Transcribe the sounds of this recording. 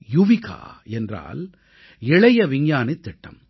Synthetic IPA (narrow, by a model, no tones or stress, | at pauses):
jʊʋɪka̰ːɛndra̰ːl | ɛɭɐjɐʋɪŋjaːnɪt̪ːɪʈːɐ̰m